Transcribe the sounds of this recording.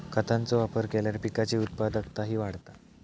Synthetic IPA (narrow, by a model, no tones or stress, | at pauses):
kʰət̪ãnt͡soʋapəɾkeljaɾpikat͡ɕiːut̪̚pad̪əkt̪aɦiːʋaɽt̪a